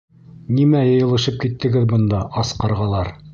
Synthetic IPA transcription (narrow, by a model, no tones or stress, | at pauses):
nimæjɤ̆jɤ̆lˠɤ̆ʃɤp̚kit̪ːɘ̆ɡɘðbɤ̆nd̪ɑʔɑsqɑɾʁɑlˠɑɾ